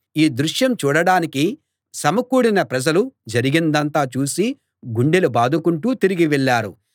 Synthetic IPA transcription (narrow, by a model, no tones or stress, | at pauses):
iːd̪ɾuʂjɐmt͡ʃuːɽɐɽaːniki | sɐmɐkuːɽinɐpɾɐd͡ʒɐlud͡ʒɐɾiɡind̪ɐnt̪aːt͡ʃuːsi | ɡuɳɖelubaːd̪ʱukuɳʈuːt̪iɾiɡiʋɛɭːaːɾṵ